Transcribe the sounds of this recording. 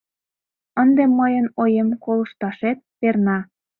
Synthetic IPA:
ənd̪emːəjənojemkolə̆ʃt̪ɑʃet̪̚pernɑ

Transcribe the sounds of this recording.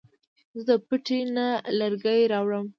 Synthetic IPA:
zəd̪əpəʈenaləɾɡajɾɑwɽəm

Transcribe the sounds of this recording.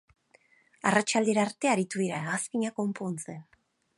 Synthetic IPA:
arat͡ʃald̪eɾaːɾt̪e̞aɾit̪uðiɾaeɣaspiɲako̞mpont͡sen

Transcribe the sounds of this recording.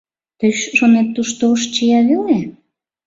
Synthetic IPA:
t̪əjʃonet̪ːuʃt̪oʃt͡ɕijɑβele

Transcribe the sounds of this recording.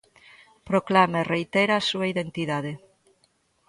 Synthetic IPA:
pɾoklamerejt̪eɾaasuaiðent̪iðaðe

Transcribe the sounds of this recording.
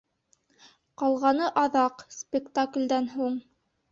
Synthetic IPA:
qɑlˠʁɑnɤʔɑðɑqspʲɪkt̪aklʲd̪ænɦuɴ

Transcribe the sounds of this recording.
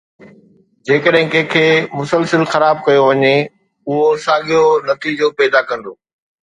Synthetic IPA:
d͡ʑeːkəɗɦɪ̃kẽːkʰeːmʊsəlsəlxɐɾaːb̚kɐjoʋɐɲe | ʊɦosaːɠijonɐt̪iːd͡ʑopɛːd̪akɐ̃n̆d̪oː

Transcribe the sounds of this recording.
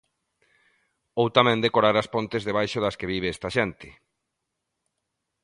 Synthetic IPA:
owt̪amẽnd̪ekoɾaɾaspont̪ezðeβajʃoðaskeβiβ̞eɛst̪aʃent̪ɪ̥

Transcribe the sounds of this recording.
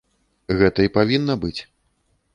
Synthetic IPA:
ɣɛt̪ɐipavʲinːɐbɨt͡sʲ

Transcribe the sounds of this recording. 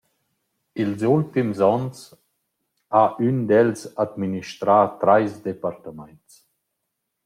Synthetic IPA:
ilzult̪imzɔns | aʔynd̪ɛlsad̪miniʃt̪ɾaːt̪ɾajsd̪epaɾt̪amant͡s

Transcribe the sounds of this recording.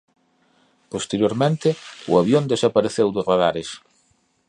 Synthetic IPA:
post̪eɾjoɾmẽnt̪ɪʊ̰aβjond̪esapaɾeθewðʊsraðaɾes

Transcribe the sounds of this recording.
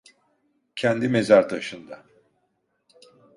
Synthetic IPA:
cʰɛnd̪ime̞zaɾt̪ʰaʃɯnd̪a

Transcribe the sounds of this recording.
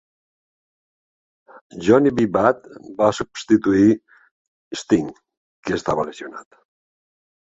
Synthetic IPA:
ʒoniβibat̪basubst̪it̪ui | st̪iŋ | kest̪aβalesiona̰t̪

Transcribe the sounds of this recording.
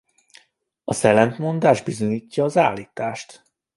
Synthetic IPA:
ɒsɛlɛnt̪mo̞nd̪aːʒd̪bizo̞ɲiːcːɒːzaːlːiːt̪aːʃt̪

